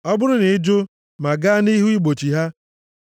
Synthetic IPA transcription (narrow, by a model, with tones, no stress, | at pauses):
ɔ˦bʊ˦ɾʊ˦ne˨ɪ˦d͡ʒo˦ | ma˨ɡa˦ni˦ɦu˦i˦ɡ͡bo˨t͡ʃi˨ɦa˦